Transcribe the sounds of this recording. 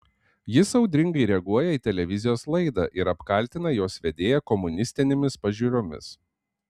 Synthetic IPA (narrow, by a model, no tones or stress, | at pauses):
jɪsɐʊd̪ʲɾʲɪŋɡɐɪɾʲɛɡuɔjɛiːt̪ʲɛlʲɛʋʲɪzʲɪjoːslˠɐɪd̪ɑ̰ːʔɪɾɐpkɐlʲt̪ʲɪnɐjoːsʋʲɛd̪ʲeːjɛkɔmʊnʲɪsʲt̪ʲɪnʲemʲɪspɐʒʲuːɾʲomʲɪ̰s